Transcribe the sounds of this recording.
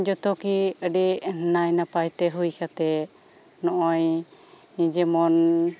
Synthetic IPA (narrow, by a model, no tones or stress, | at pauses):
d͡ʒɔt̪ɔkiəɖɛnajnapajt̪ɛɦujkʰat̪ɛ | nɔʔɔj | nid͡ʒɛmɔn